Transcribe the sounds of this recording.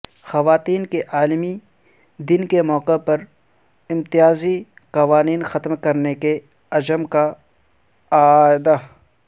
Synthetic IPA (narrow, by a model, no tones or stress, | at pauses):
xɐʋaːt̪iːnkeʔaːlmi | d̪ɪnkemɔːqepɐɾ | ɪ̃mt̪ɪjaːzi | qɐʋaːniːnxɐt̪mkɐɾneke | ɐd͡ʒəmka | aːd̪a